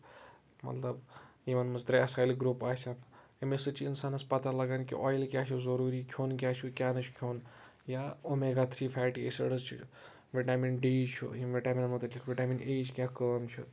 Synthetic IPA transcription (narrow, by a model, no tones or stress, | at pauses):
mɐ̰t̪lɐbjiʋɐnmɨsd̪ɾasaːjlɡɾupaːsʰʲaemesɨt͡ʃʰiinsaːnɐspɐt̪alɐɡaːnkḭʔɔːjilkʲjaːt͡ʃʰuzɐɾuːɾiːkʲʰjoːnkʲat͡ʃʰukʲaːnɐt͡ʃʰu̥kʲʰoːn | jaomeɡat̪ʰɾipʰaːʈiḛsə̰ɽɐst͡ʃʰḭ | ʋiʈaːminɖiːt͡ʃʰṵjimʋeʈaːminmut̪ɐikʰʋʲiʈaːmineːt͡ʃʰkʲãkəːmt͡ʃʰu